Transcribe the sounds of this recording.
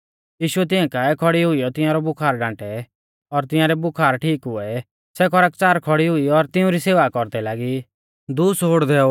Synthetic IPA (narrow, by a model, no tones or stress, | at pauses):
jiːʃʊɛt̪̬ɪɛ̃kaːɛkʰɔɽiɦʊijɔt̪ɪ̃jãɾɔbʊkʰaːɾɡãːʈɛ | ɔɾt̪ɪjãːɾɛbʊkʰaːɾʈʰiːkɦʊɛ | sɛkʰɔɾəkt͡ʃaːɾkʰɔɽiɦʊiɔɾt̪ɪũɾiseːʋakɔɾd̪ɛlaːɡi | d̪uːsɦoːɽd̪ɛːo